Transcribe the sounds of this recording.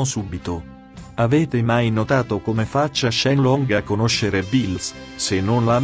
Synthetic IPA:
subit̪o | avɛːt̪emajnot̪aːt̪okomefat͡ʃːaʃːɛnlɔŋɡakːonoʃːeɾebils | senːonla

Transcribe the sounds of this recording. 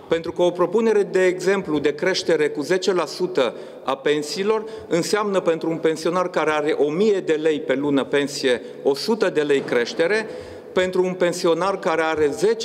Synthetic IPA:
pe̞nt̪ɾukəopɾo̞pune̞ɾe̞d̪e̞ːɡze̞mplud̪e̞kɾe̞ʃt̪e̞ɾe̞kuze̞t͡ʃe̞lasut̪ə | a̰pe̞nsiːlo̞rɨnseamnəpe̞nt̪ɾuunpe̞nsio̞narkaɾe̞aɾe̞ʔo̞mije̞d̪e̞le̞jpe̞lunəpe̞nsije̞ | o̞sut̪əd̪e̞le̞jkɾe̞ʃt̪e̞ɾe̞ | pe̞nt̪ɾuːnpe̞nsio̞narkaɾe̞aɾe̞ze̞t͡ʃ

